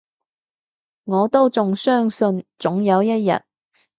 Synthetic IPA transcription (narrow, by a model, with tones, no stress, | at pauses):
ŋɔː˨˧t̪o˥wt͡sʊ˨ŋsœː˥ŋsɵ˧nt͡sʊ˨˥ŋjɐ˨˧wjɐ˥t̚jɐ̰˨t̚